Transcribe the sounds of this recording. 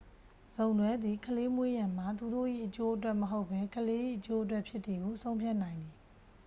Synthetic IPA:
z̥õ˨ʊ̃nwɛ˦d̪ði˨kʰəle˦mwe˦jã˨m̥a˨t̪u˨do̰˦˨ʔḭ˦˨ʔət͡ɕo˦ʔə˦twɛ˦ʔməɦo˦ʊpʰːɛ˦kʰəle˦ʔḭ˦˨ʔət͡ɕo˦ʔə˦t̬wɛ˦ʔpʰjɪ˦t̪ːi˨ɡo˨sʰõ˦ʊ̃mpʰja˦ʔnã˨ɪ̃nd̪ði˨

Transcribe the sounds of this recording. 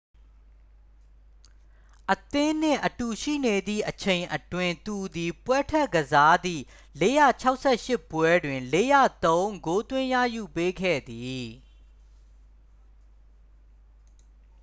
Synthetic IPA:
ʔət̪ɪ̃˦n̥ɪ̰̃˦˨ʔətu˨ʃḭ˦˨ne˨d̪ðḭ˦˨ʔət͡ɕʰẽ˨ɪ̃ʔətwɪ̃˨nt̪u˨d̪i˨pwɛ˦tʰɛ˦˨ʔkəza˦d̪ḭ˦˨ | le˦jä̰˦˨t͡ɕʰa˦ʊʔsʰɛ˦˨ʃɪ˦˨pwɛ˦dwɪ̃˨le˦jä̰˦˨t̪õ˦ʊ̃ŋɡo˦t̪wɪ̃˦jä̰˦˨ju˨pe˦ɡʰɛ̰˦˨d̪i˨

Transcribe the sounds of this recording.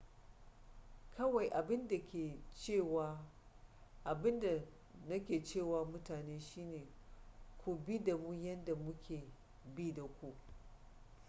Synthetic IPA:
kʰɐ˦wa˨jʔa˨bɪ˦nda˨kʲʰeː˨t͡ʃeː˦˨wa˦ | ʔa˨bɪ˦nda˨ | nɐ˦kʲeː˨t͡ʃeː˦˨waː˨mʊ˦taː˨neː˦ʃiː˦neː˨ | kʷu˨bi˦da˨mu˦jɐ˦nda˨mʊ˦kʲʰeː˨ | bi˦da˨kʷu˦ʔ

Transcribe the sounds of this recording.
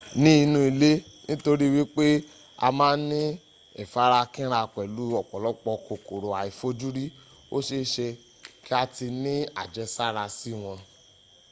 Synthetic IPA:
nĩ˦i˧nũ˧i˨˧le˦nĩ˦to˧ɾi˦˧wi˦k͡pe˦ | a̰˧mãː˦nĩ˦ | ɛ̰˦˨fa˨˦ɾa˧kĩ˦ɾa˧˨k͡pɛ˨lu˨˦ɔ˨k͡pɔ˨lɔ˨˦k͡pɔ˧ko˨ko˨ɾo˨a˨i˨fo˦d͡ʒu˦ɾi˦ | o˦ʃe˧ʃe˧ | ki˦a˧ti˧nĩ˦a̰˨d͡ʒɛ˦sa˦˨ɾa˧si˦w̃ɔ̃˧

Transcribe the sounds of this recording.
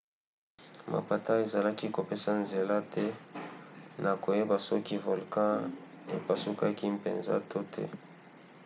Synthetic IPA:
ma̰˨pa˨ta˦e˨za˨la˦ki˦ko˨pe˦sa˦nze˨la˦tɛ˦ | nʔa˨ko˨je˦ba˨sɔ˦ki˦vo˨lkã˦ | ḛ˨pa˨su˦ka˦ki˦mpḛ˨nza̰˦tʰo˦tʰɛ̰˦

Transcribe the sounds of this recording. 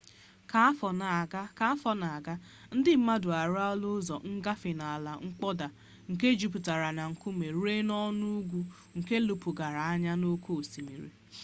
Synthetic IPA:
ka˦a˦fɔ˨na˨ɡa˦ka˨˦fɔ˦na˨a˨ɡa˦ | n̩˦dɪ˦m̩˦ma˦dʊ˨a˨ɾa˦lʊ˦zɔ˨ŋ̩˦ɡa˦fɪ˨na˨a˨la˨ŋ̩˦k͡pɔ˦da˨ | ŋ̩˨ke˦d͡ʒi˨p̬u˨ta˨ɾa˨na˨ŋ̩˨ku˦me˨ɾe˦nɔ˦nu˦ɡʷu˦ | ŋ̩˨ke˦lu˨pu˨ɡa˨ɾa˨a˦ɲa˦no˦ko˦o˨si˨mḭ˨ɾḭ˨

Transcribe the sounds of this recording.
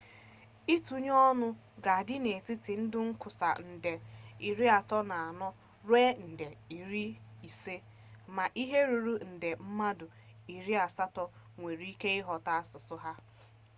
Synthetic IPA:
i˦tu˨ɲ˦ɔ˦nʊ˦ | ɡa˨dɪ˦ne˨tɪ˦tɪ˨n̩˦dʊ˦ŋ̩˦kʊ˨sa˨n̩˨de˨i˨ɾi˦a˨tɔ˦na˨a˨nɔ˦ | ɾwe˦n̩˨de˨i˨ɾi˦i˨se˦ | ma˨ʔi˦ɦe˦ɾu˨ɾu˦n̩˨de˨m̩˦ma˦dʊ˨ | i˨ɾi˦a˨sa˦tɔ˦ | ŋʷe˨ɾi˦ke˦ɪ˦ɦɔ˨ta˦a˦sʊ˨sʊ˦ɦa˦

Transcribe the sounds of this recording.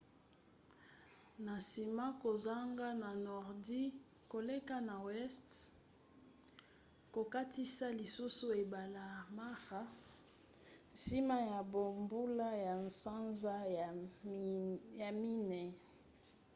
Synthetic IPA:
na˨si˨ma˦ko˨za˦ŋɡa˦na˨nɔ˨ʁdi˦ | ko˨le˦ka˦na˨wɛ˦st | ko˨ka˦ti˦sa˦li˨su˦su˦e˨ba˨la˨ma˦ʁa˦ | n˨si˦ma˦ja˨bo˨mbu˦la˦ja˨nsa˦nza˦ | ja˨mi˦nɛ˨

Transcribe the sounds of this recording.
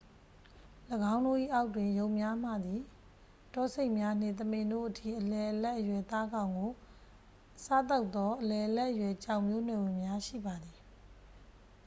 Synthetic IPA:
ləɡã˦ʊ̃ndo̰˦˨ʔḭ˦˨ʔa˦ʊtːwɪ̃˨jo˦˨ʊʔmja˦m̥ä̰˦˨d̪i˨ | tɔ˦˨se˦ɪʔmja˦n̥ɪ̰̃˦˨t̪̬əmɪ̃˨ndo̰˦˨ʔətʰḭ˦˨ʔəlɛ˨ʔəlɛ˦ʔəjwɛ˨t̪a˦ɡã˨ʊ̃ŋɡo˨ | sa̰˦˨t̪̬a˦ʊt̪ːɔ˦ʔəlɛ˨ʔəlɛ˦ʔːəjwɛ˨t͡ɕã˨ʊ̃mjo˦n̥wɛ˨wɪ̃˨mja˦ʃḭ˦˨ba˨d̪i˨

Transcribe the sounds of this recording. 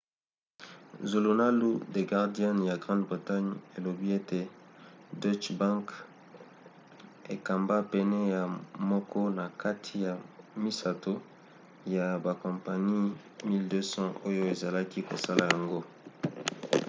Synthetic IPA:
zo˨lo˨na˦lu˦de˨ɡa˨ʁdi˦a˦nja˨ɡʁɑ̃˦ndbʁi˨ta˦ɲe˨lo˨bi˦e˦te˨ | dɔ˦t͡ʃbã˦ŋk | e˨ka˨mba˦pɛ˨nɛ˦ja˨mɔ˦kʰɔ˦na˨ka˦tʰi˨ja˨mi˦sa˨to˦ | ja˨ba˨kɔ̃˨mpa˨ni˦ | mi˦ldø˦sɑ̃˦ʔo˦jo˦e˨za˨la˦ki˦ko̰˨sa˦la˨ja˨ŋɡo˦

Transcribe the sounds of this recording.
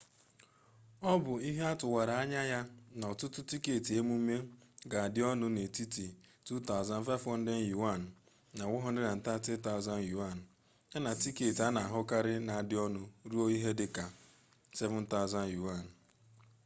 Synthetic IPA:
ɔ˦bʊ˨i˦ɦe˦a˦tʊ˨wa˨ɾa˨a˦ɲa˦ja˦n˨ɔ˨tʊ˦tʊ˦ti˦ke˨ti˨e˦mu˦me˦ɡa˨a˨dɪ˦ɔ˦nʊ˦ne˨ti˦ti˨tu˦ta˦ʊ˨za˦n̩˦fa˦fɔ˦n̩˦dɪ˦n̩˦ju˨wa˦˨n̩ː˨ | a˨wʊ˦ɦɔ˦n̩˦dɪ˦na˨n̩˨ta˦tɪ˦ta˦ʊ˨za˦n˦ju˨a˦˨n̩˨ | a˦na˨ti˦ke˨ti˨a˦na˨a˨ɦʊ˦ka˦ɾɪ˦na˨a˨dɪ˦ɔ˦nʊ˦ɾu˦o˦i˦ɦe˦dɪ˨ka˨ | sɛ˦vʊ˦n̩˦ta˦ʊ˨za˦n˦ju˨a˦˨n˨

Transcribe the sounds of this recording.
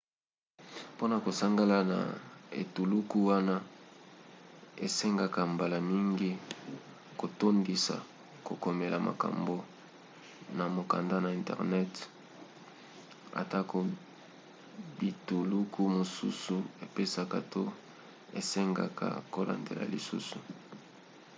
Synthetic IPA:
po˦na˨ko˨sa˦ŋɡa˦la˦na̰˨ḛ˨tu˨lu˦ku˦wa˦na˦ | e˨se˦ŋɡa˨ka˨mba˨la˨mi˦ŋɡi˦ | ko˨to˦ndi˨sa̰˨ | ko˨ko˨me˨la˨ma̰˨ka̰˨mbo˨ | na˨mo˨ka˨nda˦na˨ɛ˨ntɛ̰˨ʁnɛ˦t | a̰˨ta˦ko˨ | bi˨tu˨lu˦kʰu˦mo˨su˦su˨e˨pe˦sa˨ka˨to˦ | e˨se˦ŋɡa̰˨kʰa̰˨ko˦la̰˨ndḛ˨lʔa̰˨li˨sṵ˦su˨

